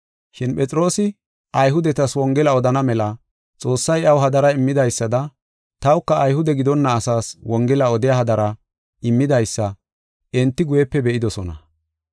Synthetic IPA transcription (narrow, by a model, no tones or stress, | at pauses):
ʃɪnpʼɛt͡sʼɪɾo̞ːsɪ | ʔɐjɦʊd̪ɛt̪ɐswɔŋɡɛlɐɔd̪ɐnɐmɛlɐ | t͡sʼo̞ːsːɐjɐwɦɐd̪ɐɾɐɪmːɪd̪ɐjsːɐd̪ɐ | t̪ɐwkːɐːjhʊd̪ɛɡɪd̪ɔnːɐːsaːswɔŋɡɛlɐɔd̪ɪjaːhɐd̪ɐɾɐ | ɪmːɪd̪ɐjsːɐ | ɛnt̪ːɪɡʊjɛpːɛbɛʔɪd̪ɔsɔnɐ̰